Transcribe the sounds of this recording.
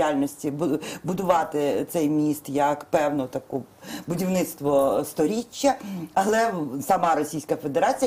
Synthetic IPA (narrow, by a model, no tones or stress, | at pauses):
alʲnɔsʲtʲibbʊd̪ʊʋɑt̪ɪt̪sɛjmʲist̪jɐkpɛwnʊt̪ɐkubʊdʲiwnɪt̪st̪ʋɔst̪ɔɾʲit͡ʃːɐɐlˠɛsɐmɑɾɔsʲijsʲkɐfe̞d̪eɾɑt͡sʲij